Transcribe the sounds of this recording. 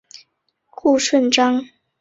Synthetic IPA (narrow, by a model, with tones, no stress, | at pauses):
ku˥˧ʂwə˥˨nʈ͡ʂɑ˥ŋ